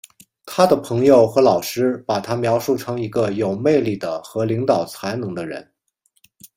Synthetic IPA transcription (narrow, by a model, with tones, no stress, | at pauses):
t̪ʰa˥d̪ə˨pʰɤ˧˥ŋjo˨˧˩ʊxɤ˧˥lɑ˨˩ʊʂɻ̩˥pa˨˩t̪ʰa˥mjɑ˧˥ʊʂu˥˩ʈ͡ʂʰɤ˧˥ŋi˧˥ɡə˧jo˨˩ʊme˥˧ɪli˥˩d̪ə˩xɤ˧˥li˧˥ŋt̪ɑ˨˩ʊt͡sʰa˧˥ɪnɤ˧˥ŋd̪ə˧ɻə̰˧˥n